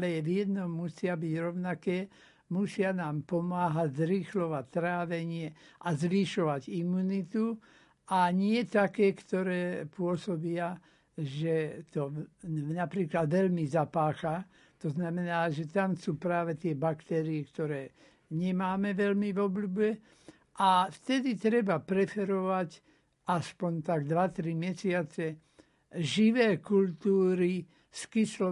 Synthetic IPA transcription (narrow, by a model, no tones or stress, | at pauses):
lɛʋjɛd̪nɔmːusɪabiɟɾɔʊnakɛː | musɪanaːmpɔmaːɦaɟzɾixlɔʋact̪ːɾaːʋɛɲɪɛʔazʋiʃɔʋaɟimːuːnit̪u | aɲɪɛt̪akɛːkt̪ɔɾɛːpʊɔsɔbɪa | ʒɛt̪ɔnapɾiːklad̪ʋɛlmizapaːxa | t̪ɔznamɛnaːʒɛt̪amsuːpɾaːʋɛt̪ɪɛbakt̪ɛːɾiɛkt̪ɔɾɛː | ɲɛmaːmɛʋɛlmiʋɔblubɛ | ʔaft̪ɛd̪it̪ɾɛbapɾɛfɛɾɔʋac | aspɔɲt̪aɡd̪ʋat̪ɾimɛsɪat͡sɛ | ʒiʋɛːkult̪uːɾi | skislɔ